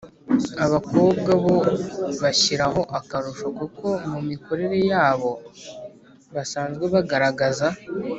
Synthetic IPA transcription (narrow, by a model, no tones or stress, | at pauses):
aβako̞ːbɡaβo̞βaçiɾaɦo̞ʔakaɾuʃokuko̞mumiko̞ɾe̞ɾe̞jaːβo̞ | βasaːnzɡwe̞βaɡaɾaɡaza